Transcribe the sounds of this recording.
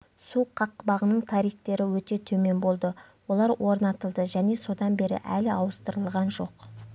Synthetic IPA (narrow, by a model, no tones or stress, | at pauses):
suqʰɑqːbɑʁənəɴt̪ʰɑɾijχt̪e̞ɾɪwɵt̪e̞t̪ʰɵme̞nbo̞lˠd̪ə | wo̞lˠɑɾwo̞ɾnɑt̪əlˠd̪əʒæne̞so̞d̪ɑnbe̞ɾɪ̰ʔæ̰lɪɑwəst̪əɾəlˠʁɑnʒo̞q